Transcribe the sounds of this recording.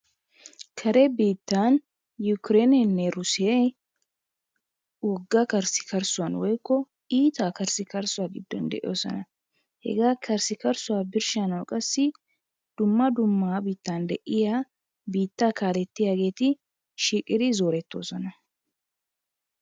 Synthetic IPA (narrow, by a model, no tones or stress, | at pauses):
kʰɐɾɛbiːt̪ːaːn | jʊkɾenɛnːɛɾʊsɪjɛ | wɔɡːɐkɐɾsɪ̥kɐɾsʊwɐnwɔjkːɔ | iːt̪aːkɐɾsɪkɐɾsʊwaːɡɪd̪ːɔ̰nd̪ɛ̰ʔɪ̰joːsɔ̰nɐ | hɛ̰ɡaːkʰɐɾsɪkɐɾsʊwaːbɪɾʃanɐwkʼɐsːɪ | d̪̥ʊmːɐd̪ʊmːaːbiːt̪ːaːnd̪ɛʔɪjaː | biːt̪ːaːkaːlɛt̪ːɪjaːɡe̞ːt̪ɪ | ʃiːkʼɪd̪ɪzo̞ːɾɛt̪ːo̞̰ːsɔnɐ